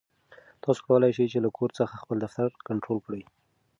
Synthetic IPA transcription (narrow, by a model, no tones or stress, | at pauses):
t̪ʰɑso̥kawəlajʃəjt͡ʃelakʰoɾt͡səxaxpəld̪aft̪aɾkaɳʈɾolkɽəj